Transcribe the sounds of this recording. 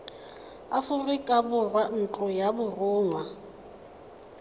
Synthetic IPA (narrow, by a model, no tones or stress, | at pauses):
afʊrɪkʼabʊrwan̩t͡ɬʼɔjabʊrʊːŋwa